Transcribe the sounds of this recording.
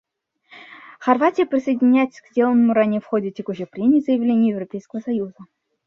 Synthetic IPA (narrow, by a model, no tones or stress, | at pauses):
χɐrvatʲɪjəpɾʲɪsəjdʲɪnʲajt̪ʲsʲkdʲelˠənəmuɾanʲɪjəfχodʲɪtʲekuɕəpɾʲemʲɪːzəjɪvlʲenʲjəjɪvropʲejskəvəsɐjuzə